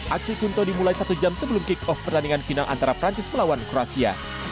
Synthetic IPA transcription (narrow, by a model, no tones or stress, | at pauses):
ʔaksikunt̪odimulajsat̪ud͡ʒamsəbəlʊmkɪkɔfpərt̪aniŋanfinalʔa̰nt̪aɾapɾaɲt͡ʃɪsməlawankɾoasia̰